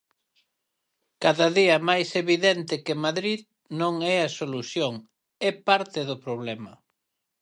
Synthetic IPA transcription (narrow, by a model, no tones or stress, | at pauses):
kaðɐðiɐmajseβiðɛnt̪ɪkɪmaðɾið | nõŋɛɐsoluθjoŋ | ɛpaɾt̪ɪðʊpɾoβlɛmɐ̰